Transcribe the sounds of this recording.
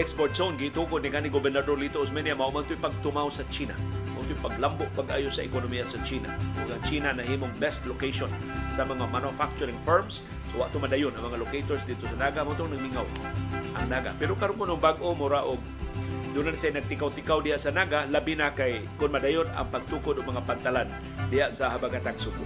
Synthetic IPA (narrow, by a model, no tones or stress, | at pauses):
ʔɛkspoɾt̪̚sonɡɪt̪ukʊd̪nɪkanɪɡʊbɛɾnad̪oɾlit̪oʔʊsmɛnjamaʔʊmant̪ʊjpaɡ̚t̪ʊmawsat͡ʃiːna̰maʔʊnt̪ʊjpaɡlambʊʔ̚paɡʔa̰ːjʊsaʔɪ̰konomijasat͡ʃiːna̰ɐɡat͡ʃiːnanaɦiːmʊŋbɛst̪lokejʃonsamɐŋamanʊfak̚t͡ʃʊɾɪŋfɛɹms | sowa̰ʔt̪ʊŋmadajʊnaŋmɐŋalokejt̪oɾsd̪ɪd̪̚t̪ʊsanaɡamat̪ʊŋnaɡmiŋaw | ʔaŋnaːɡa̰pɛɾokaɾʊnkʊnʊŋbaɡʔomʊɾaʔʊɡ | d̪unansajnaɡ̚t̪ɪkawt̪ɪkawdɪhaʔsanaɡalabinakajkʊnmadajʊna̰ŋpaɡ̚t̪ukʊd̪ʊɡ̚maŋapaɡ̚t̪alan | dɪɦaʔsaɦabaɡat̪aɡsʊɡʊ